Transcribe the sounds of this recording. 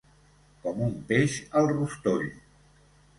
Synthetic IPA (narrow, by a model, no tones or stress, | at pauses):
kɔmumpeʃəlˠrust̪oʎ